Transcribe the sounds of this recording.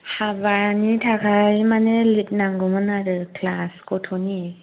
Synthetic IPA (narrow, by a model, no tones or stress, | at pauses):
habaɾnitʰakʰajmanelit̚naŋɡɔmɯnaɾɯkʰlaskotʰoni